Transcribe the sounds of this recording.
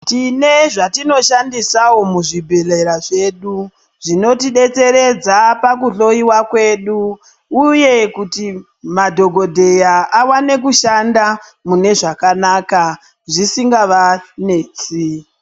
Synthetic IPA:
tine̞ʐatino̞ʃandisawo̞muʐibʱe̞le̞ɾaʐe̞ɗu | ʐino̞tiɗe̞t͡se̞ɾe̞d͡zapak̬uɬo̞iwakwe̞ɗuː | je̞kuti | madʱo̞ɡʱo̞dʱe̞jaʔawane̞kuʃandamune̞ʐakanaːka | ʐisiŋɡaʋane̞ːt͡si

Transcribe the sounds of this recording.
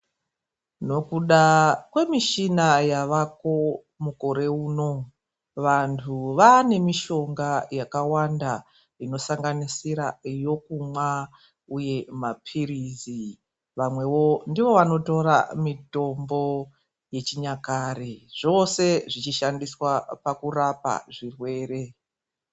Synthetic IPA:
no̞kuɗakwe̞miʃinajaʋako̞ | muko̞ɾe̞uːno̞ | ʋantʰuʋane̞miʃo̞ŋɡajakawanda | ino̞saŋɡanisiɾajo̞kumwa | uje̞mapʰirizi | ʋamwe̞wo̞ndiʋo̞ʋano̞to̞ɾa̰mito̞mbo̞ | je̞t͡ʃiɲakaɾeʐ̥o̞se̞ʐit͡ʃiʃandiswapakurapa̰ʐirwe̞ːɾe̞

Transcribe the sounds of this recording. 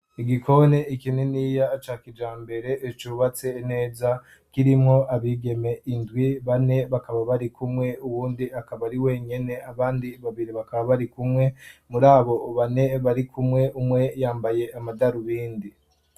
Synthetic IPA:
iɡikʰo̞ne̞ikineniːjaːt͡ʃakid͡ʒaːmbe̞ɾe̞ʔːt͡ʃuːβat͡se̞ːne̞ːza | kiɾimŋo̞aβiɡe̞me̞ʔindwiβane̞βakaβaβaɾikumŋe̞uwuːndiakaβaɾiwe̞ːɲe̞ne̞aβaːndiβaβiɾiβakaβaβaɾikumŋe̞muɾaːβo̞βane̞βaɾikʰumŋe̞ʔumŋe̞jaːmbaje̞amadaɾuβiːndi

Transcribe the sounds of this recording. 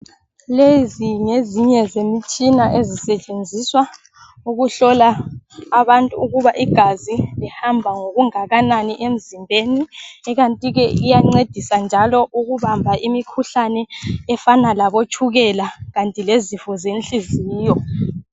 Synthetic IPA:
leziŋeziɲɛzemit͡ʃʼinaʔezisɛt͡ʃʼend͡zʱiswa | uɣuɬɔlaː | βantʼuːɣuβaʔiɡ̥ʱazilihambʱaŋoɣuŋaɣananiʔem̩zimbʱeniɛɣantʼiɣɛʔijaŋ͡ǀed̥ʱisand͡ʒʱalɔʔuɣuβambʱaʔimikʰuɬanɛɛfanalaβot͡ʃʰʼuɣɛlaɣantʼilezifɔzent͡ɬʼiziːjɔ

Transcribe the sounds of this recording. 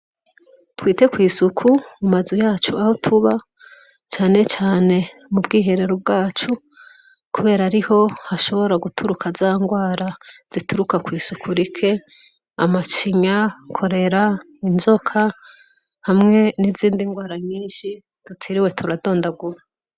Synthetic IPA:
twiːte̞kwiːsukʰumumazujaːt͡ʃuaho̞tʰuβa | t͡ʃaːne̞t͡ʃaːne̞mubɡiːɦe̞ɾe̞ɾob̚ɡaːt͡ʃu | kuβe̞ːɾaɾiho̞haʃo̞βo̞ɾaɡutʰuɾukʰazaŋɡwaːɾaz̥ituɾukakwiːsukʰuɾikʰe̞ | amat͡ʃiɲakʰo̞ɾe̞ɾa | inzo̞kʰa | hamŋe̞niziːndiŋɡwaːɾaɲiːnʃi | tutʰiɾiwe̞tʰuɾado̞ːndaɡuɾa

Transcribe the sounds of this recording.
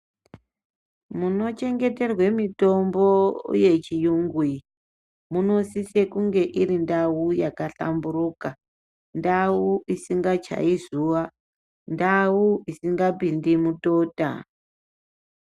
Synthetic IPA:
muno̞t͡ʃe̞ŋɡe̞te̞rwe̞mito̞mbo̞ṵje̞t͡ʃijuŋɡwi | muno̞sise̞kuŋɡe̞ʔiɾindaujakaɬa̰mburuːka | ndawuisiŋɡat͡ʃa̰izuʋa | ndawuisiŋɡapindimutota̰

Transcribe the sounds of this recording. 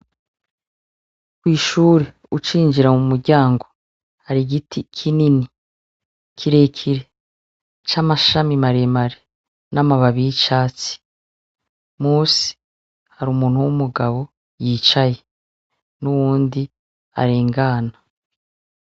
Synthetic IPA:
kwiːʃuːɾe | ut͡ʃiːnd͡ʒiɾamumuɾɟaːŋɡo̞ | haɾiɡitʰikʰinini | kʰiɾe̞ːkʰiɾe | t͡ʃamaʃamimaɾemaɾe | namaβaβiit͡ʃaːt͡si̥ | muːsi̥ | haɾuːmuːn̥huwumuɡaβo̞ | jiːt͡ʃaje | nuwuːndi | a̰ɾeːŋɡaːna

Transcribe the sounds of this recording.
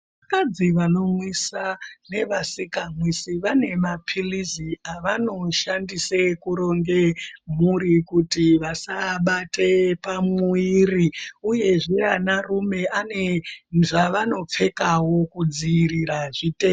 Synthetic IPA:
ʋakad͡ziʋano̞mwisane̞ʋasikamwisiʋane̞mapʰiliziaʋano̞ʃandisekuɾo̞ŋɡemuɾikutiʋasaɓate̞pamuiriuje̞ʐeanarume̞ʔane̞ʐaʋano̞p͡fe̞kawo̞kud͡ziːriraʐite

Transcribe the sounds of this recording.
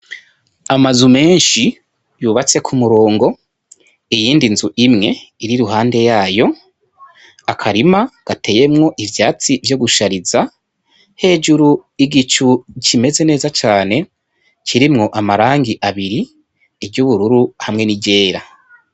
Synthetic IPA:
amazume̞ːnʃi | juːβat͡se̞kʰumuɾo̞ːŋɡo̞ | ijiːndinzuʔimŋe̞iɾiɾuɦaːnde̞jaːjo̞ | akʰaɾimaɡ̥atʰe̞je̞mŋo̞ʔivjaːt͡sivjo̞ɡuʃaɾiza | he̞ːd͡ʒuɾuiɡit͡ʃucime̞ze̞ne̞ːzat͡ʃaːne̞ | t͡ʃʰiɾimŋo̞ʔamaɾaːŋɡiʔaβiɾi | ebɟuβuɾuɾuhamŋe̞niɟe̞ːɾa

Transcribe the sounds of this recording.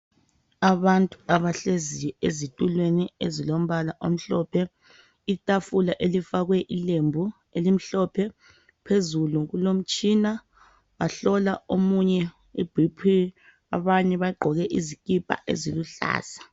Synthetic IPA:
aβantʼuaβaɬezijɔezitʼulweniezilom̩βalaʔom̩ɬɔpʰɛ | itʼafulaʔelifaɣwɛʔilembʱu | elim̩ɬɔpʰɛ | pʰezuluɣulom̩t͡ʃʼiːna | βaɬɔlaomuɲɛ | ḭb̥ʱipʰi | a̰βaɲɛβaɡ͡ǃʱɔɣɛʔizikʼipʼa̰ʔḛziluɬa̰ːsḁ

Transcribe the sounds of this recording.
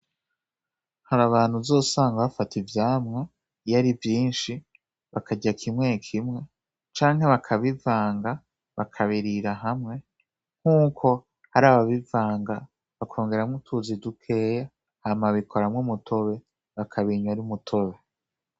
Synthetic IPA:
haɾaβaːn̥huzo̞ːsaːŋɡaβafatʰivjaːmŋe | jaɾivjiːnʃi | βakʰaɟakʰimŋekʰimŋe̞ | t͡ʃaːŋɦe̞βakʰaβivaːŋɡa | βakʰaβiɾiɾaɦamŋe̞ | ŋ̥uːkʰo̞ | haɾaːβaβivaːŋɡa | βakʰo̞ːŋɡe̞ɾamŋutʰuzidukʰe̞ːja | hamaβikʰo̞ɾamŋemutʰo̞βe̞ | βakʰaβiɲwaɾumutʰo̞βe

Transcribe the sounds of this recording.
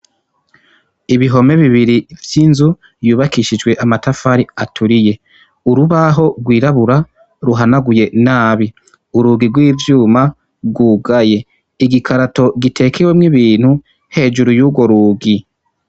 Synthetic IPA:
iβiɦo̞me̞βiβiɾivjinzu | juːβakiʃid͡ʒɡwe̞ʔamatafaɾiatʰuɾije | uɾuβaɦo̞ɡwiːɾaβuɾa | ɾuɦanaɡuje̞naːβi | uɾuːɡiɡwiːvjuːma | ɡuːɡaje̞ | iɡikʰaɾato̞ɡitʰe̞kʰewemŋiβiːn̥hu | he̞ːd͡ʒuɾujuːɡwo̞ɾuːɡi

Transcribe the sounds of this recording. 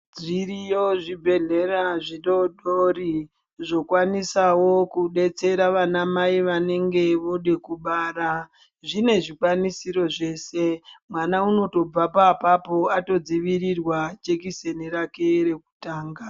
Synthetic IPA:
d͡zirijoʐibʱe̞ɮe̞ɾaʐiɗo̞ɗori | ʐo̞kwanisawo̞kuɗe̞t͡se̞ɾaʋanamaiʋane̞ŋɡe̞ʋo̞ɗekuɓaːɾa | ʐine̞ʐikwanisiɾo̞ʐe̞ːse̞mwanauno̞to̞b͡vapapapo̞ato̞d͡ziʋiɾirwat͡ʃe̞kise̞niɾake̞ɾe̞ku̥taːŋɡa

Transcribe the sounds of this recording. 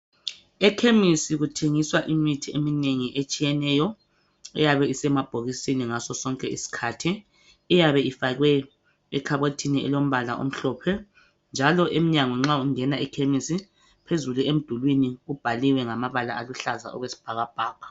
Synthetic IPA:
ɛkʰemisiɣutʰeŋiswaʔimitʰiemineŋiʔet͡ʃʼijɛnɛjɔ | ɛ̰jaβɛisɛmab̥ʱoɣisiniŋasɔsɔŋkʼɛḭsi̥kʰatʰi | ɛjaβɛifaɣwɛ | ɛkʰaβetʰiniʔɛ̰lom̩βalaʔo̰m̩ɬɔːpʰɛ | nd͡ʒʱalɔʔemiɲaŋwɛŋ͡ǁauŋɛnaikʰemisi | pʰezuluem̩d̥ʱulwiniɣub̥ʱaliwɛŋamaβala̰aluɬaza̰ɔ̰ɣwesi̥b̥ʱaɣab̥ʱaːɣa

